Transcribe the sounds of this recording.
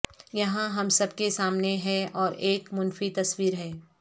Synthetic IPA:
jɐɦãɦɐmsɐb̚kesaːmneɦɛɔːɾeːkmʊnfit̪ɐswiːɾɦɛː

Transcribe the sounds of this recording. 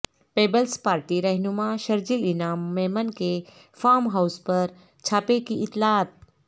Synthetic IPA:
peːbəlspaːɾʈiɾɐɦnumãʃɐɾd͡ʒilinaːmːemənke | faːmɦawspəɾ | t͡ɕʰaːpekiʔɪt̪laːt̪̚

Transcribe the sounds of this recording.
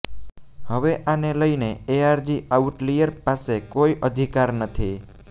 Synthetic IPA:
həʋeʔaneləineeaɾd͡ʒiʔauʈlijəɾpasekoiʔəd̪ʱikaɾnət̪ʰi

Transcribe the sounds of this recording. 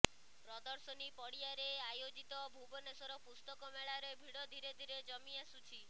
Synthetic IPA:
pɾɔd̪ɔɾsɔnipɔɽiaɾeajod͡ʒit̪ɔbʱubɔnesɔɾɔpust̪ɔkɔmeɭaɾebʱiɽɔd̪ʱiɾed̪ʱiɾed͡ʒɔmiasut͡ʃʰi

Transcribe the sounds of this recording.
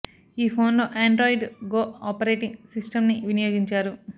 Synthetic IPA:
iːpʰo̞ːnlo̞ːʔaːɳɖɾoːjɖɡoːaːpɐɾe̞ːʈiŋɡsisʈɐmniʋinɐjoːɡiɲt͡ʃaːɾu

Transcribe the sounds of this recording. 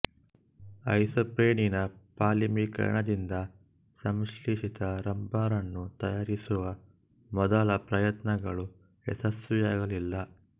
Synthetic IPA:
ɐ̰jsɐpɾeːɳinɐpaːlimikɐ̰ɾɐ̰ɳɐd̪ind̪ɐ | sɐmʂliʃit̪ɐɾɐmbaːɾɐnːut̪ɐjaːɾisuʋɐ | mɔd̪ɐlɐpɾɐjɐt̪nɐɡɐɭu | ɛ̰sɐsʋɛjaːɡɐlilːɐ

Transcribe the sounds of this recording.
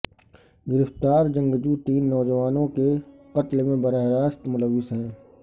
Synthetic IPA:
ɡɪɾəft̪aːɾd͡ʒə̃ŋɡd͡ʒuʈ̪iːnːɔːd͡ʒəʋaːnõkeqɐt̪lmẽbəɾaɦɾaːst̪mʊləʋːɪsɦɛ̃ː

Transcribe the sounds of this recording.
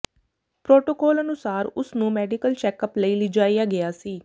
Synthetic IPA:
pɾoːʈoːkɔːlənʊsaːɾʊsnũːmɛːɖɪkəlt͡ʃɛːkəpləiːliːd͡ʒaːiːaːɡɪjaːsiː

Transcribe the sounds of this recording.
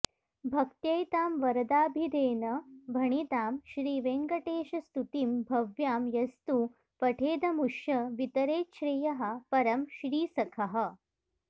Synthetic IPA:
bʱɐkt̪jɐjt̪aːmʋɐɾɐd̪aːbʱid̪eːnɐbʱɐɳ̃it̪aːmʃɾiːʋeŋɡɐʈeːʃɐst̪ut̪imbʱɐʋjaːmjɐst̪u | pɐʈʰeːd̪ɐmuʃjɐʋit̪ɐɾeːtʃɾijɐɦɐ̆pɐɾɐmʃɾiːsɐkʰɐɦɐ̆

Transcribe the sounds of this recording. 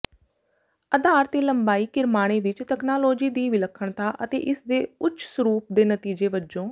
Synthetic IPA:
əd̪aːɾt̪eːləmbaːiːkɪɾmaːɽ̃eːʋɪt͡ʃt̪ɛːknaːloːd͡ʒiːd̪iːʋɪləkʰːəɳt̪aːʔət̪ḛːʔɪsd̪eːʊt͡ʃʰsəɾuːp̚d̪eːnət̪iːd͡ʒeːʋəd͡ʒõː

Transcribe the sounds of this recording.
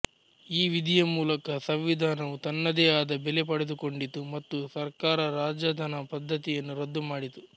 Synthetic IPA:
iːʋid̪ʱijɐmuːlɐkɐsɐʋʋid̪ʱaːnɐʋut̪ɐnːɐd̪eːaːd̪ɐbɛlepɐɽed̪uko̞ɳɖit̪ːumɐt̪ːusɐɾkaːɾɐɾaːd͡ʒɐd̪ʱɐnɐpɐd̪ʱːɐt̪ijɐnːuɾɐd̪ːumaːɽit̪u

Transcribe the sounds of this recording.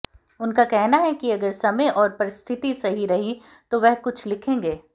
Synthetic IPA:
ʊnkakɛɦnaɦɛkiɐɡəɾsɐmeʔɔːɾpɐɾɪst̪ʰɪt̪isɐɦiɾɐɦi | t̪oʋɛɦkʊt͡ʃʰlɪkʰẽːŋɡeː

